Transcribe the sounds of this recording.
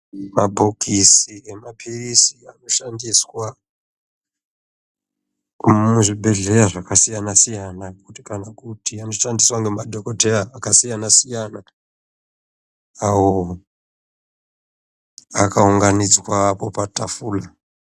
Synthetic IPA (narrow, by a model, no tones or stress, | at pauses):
mabʱokʰisiemapʰirisiano̞ʃandiswa | muʐibʱe̞ɮe̞ɾaʐakasijanasijanakutikanakutiano̞ʃandiswaŋɡemadʱokotʰejaːkasijanasijana | awo | akauŋɡanid͡zwapo̞patafuːla